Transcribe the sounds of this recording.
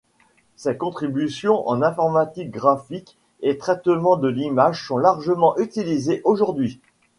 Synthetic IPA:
sɛkɔ̃t̪χibysjɔ̃ʔɑ̰̃nɛ̃fɔʁmat̪ik̚ɡʁafik | et̪χɛt̪mɑ̃d̪əlimaʒsɔ̃laʁʒəmɑ̃ʔyt̪ilizeʔoʒuʁd̪ɥi

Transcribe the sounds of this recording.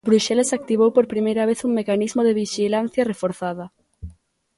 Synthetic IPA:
bɾuʃɛlesak̚t̪iβ̞owpoɾpɾimejɾɐβeθuŋmekanizmoðeβiʃilanθjɐrefoɾθaðɐ

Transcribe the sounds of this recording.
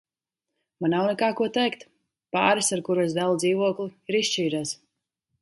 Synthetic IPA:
manːawnɛkaːkuɔt̪ɛjkt̪ | pa̰ːɾisaɾkuɾuɔsd̪alˠd̪ziːvuɔklˠiiɾist͡ʃiːɾas

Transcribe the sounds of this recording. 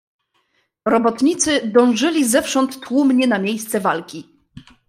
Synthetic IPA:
ɾɔbɔt̪ɲit̪sɘd̪ɔ̃w̃ʐɘlʲizɛfʂɔnt̪ːwumɲɛnamʲjejst̪sɛvalkʲi

